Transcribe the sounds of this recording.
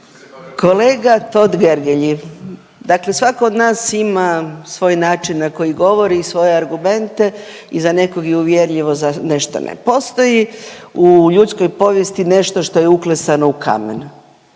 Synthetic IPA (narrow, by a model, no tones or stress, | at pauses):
kʰo̞leːɡat̪o̞d̪ɡeɾɡeʎi | d̪akle̞sʋakood̪naːsimasʋo̞ːjnaːt͡ʃinːako̞jiɡo̞ʋo̞ɾiːsʋo̞jeaɾɡume̞nt̪e̞ | izane̞koɡjeuʋjeɾʎiʋozane̞ʃt̪o̰nḛpo̞st̪o̞jiuʎut̪skojpo̞ʋje̞st̪ine̞ʃt̪o̞ʃt̪o̞jeuklesanoukʰa̰mḛn